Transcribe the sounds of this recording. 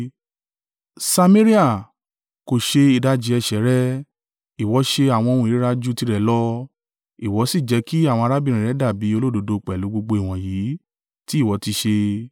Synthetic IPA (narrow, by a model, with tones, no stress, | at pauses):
sa˧mẽ˦ɾi˦a˦˨ | ko˨ʃe˧i˨da˦d͡ʒi˨˧ɛ˧ʃɛ˨˦ɾɛ˦ | i˨wɔ˨˦ʃe˧a˨w̃ɔ̃˧o˧ɾũ˧i˨ɾi˦ɾa˦d͡ʒu˦ti˧˦ɾɛ˨˦lɔ˦ | i˨wɔ˨˦si˦˨d͡ʒɛ˨˦ki˦a˦˨w̃ɔ̃˧a˧ɾa˦bi˦˧ɾ̃ĩ˨ɾɛ˨˦da˦˨bi˨˦o˧lo˦do˨˦do˧k͡pɛ˨lu˨˦ɡ͡bo˧ɡ͡bo˧i˨w̃ɔ̃˨jiː˨˦ | ti˦˨wɔ˨˦ti˧ʃe˧